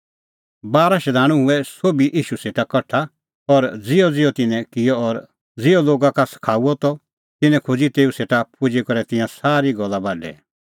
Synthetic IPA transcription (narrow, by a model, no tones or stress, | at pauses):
baːɾaʃɛd̪ʱaːɽ̃ũɦʊɛsoːbiʔiːʃuseːʈakɐʈʰa | ɔɾd͡zɪɔd͡zɪjɔt̪ɪnɛ̃kɪjɔɔɾ | d͡zɪjɔloːɡãkasɐ̥kʰaːuɔt̪ɔ | t̪ɪnɛ̃kʰʊd͡zit̪eːuseːʈapʰʊd͡ʒikɔɾɛt̪ɪ̃jãsaːɾiɡɔlːabaːɖɛ̰